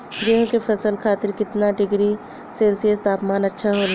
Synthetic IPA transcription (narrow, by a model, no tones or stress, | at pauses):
ɡeːɦkefɐsəlkʰaːt̪ɪɾkɪt̪naɖɪɡɾi | seːlsiəst̪aːpmaːnɐtːʃʰaɦoːl